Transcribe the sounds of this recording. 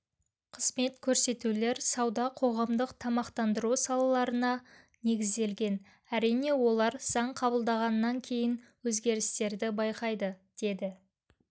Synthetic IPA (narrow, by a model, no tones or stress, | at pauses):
qʰəzme̞t̪kʲʰɵɾse̞t̪ule̞ɾsɑwd̪ɑqʰo̞ʁɑmd̪əqt̪ʰɑmɑqt̪ɑnd̪əɾusɑlˠɑlˠɑɾənɑ | ne̞ɡʲɪzd̪e̞lɡʲe̞n | æɾijne̞wo̞lˠɑɾsɑɴqʰɑbəlˠd̪ɑʁɑnːɑŋkʲʰe̞jɪnwɵzɡʲe̞ɾɪst̪e̞ɾd̪ɪbɑjqɑjd̪əd̪̥e̞d̪ɪ